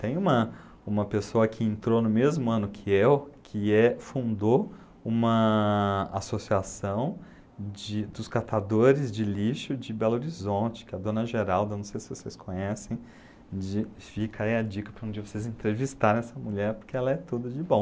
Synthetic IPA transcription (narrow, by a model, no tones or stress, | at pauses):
t̪ẽj̃ũmɐ | ũmɐpesoɐkʰɪẽnt̪ɾonʊmezmʊɐ̃nʊkʰɪewkʰɪɛfũnd̪o | ũmɐ | a̰sosiasɐ̃w̃ | d͡ʒɪd̪ʊskat̪ad̪oɾɪzd͡ʒɪliʃʊd͡ʒɪbɛloɾizõnt͡ʃɪ̥kɛɐd̪õnɐʒeɾawd̪ɐnɐ̃w̃sejsɪvoseskʰõɲɛsẽj̃ | d͡ʒɪfikaẽɐd͡ʒikɐpɾɐũd͡ʒiɐvosezẽnt̪ɾevist̪aɾẽɛsɐmuʎɛɾpoɾkeɛlɐɛt̪ud̪ɐd͡ʒɪbõw̃